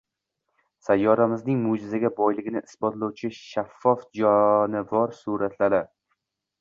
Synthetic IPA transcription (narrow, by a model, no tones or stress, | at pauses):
sajːɒɾamɪznɪŋmʊd͡ʒɪzaɡʲabɒjlɪɡʲɪnɪʔɪsbɒt̪lˠɒwt͡ʃʰɪʃafːɒfd͡ʒɒnɪvɒɾsuɾat̪laɾɪ